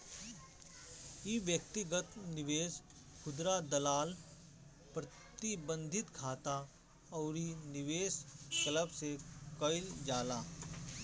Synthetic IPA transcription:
iʋjək̚t̪ɪɡət̪nɪʋeːs | kʰʊd̪ɾad̪ɐlaːl | pɾɐ | t̪ibə̃nd̪ʱɪt̪kʰaːt̪a | ɔːɾinɪʋeːskɐləbsekɐɪld͡ʒaːlaː

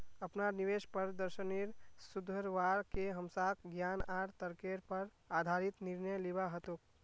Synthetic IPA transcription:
əpnaniʋeʃpəɾd̪əɾʃəniɾsud̪ʱəɾʋaɾkeɦəmsakɡjanaɾt̪əɾkeɾpəɾ | ad̪ʱaɾit̪niɾnəjlibaɦət̪uk̚

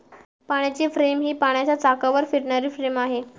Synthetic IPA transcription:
paɽ̃jat͡ɕefɾemɦiːpaɽ̃jat͡ɕjat͡sakaʋəɾfiɾɳaɾiːfɾemaɦe

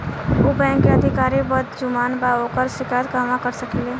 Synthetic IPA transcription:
obɛ̃ŋkːeəd̪ʱikaɾibəd̪d͡ʒumaːnbaokəɾsikaət̪̚kəmakəɾsəkile

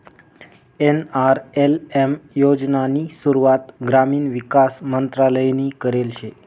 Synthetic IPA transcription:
enaɾelemjod͡ʒnanisuɾuat̪ɡɾaminʋikasmənt̪ɾaləjnikəɾelʃʰe

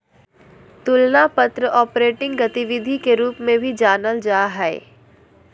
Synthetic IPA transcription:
t̪ʊlnapət̪ɾəʔɔːpɾeːʈɪ̃ŋɡɡɐt̪iʋɪd̪ʱikeɾuːpmẽbʱid͡ʒaːnəld͡ʒaːɦɛḛ

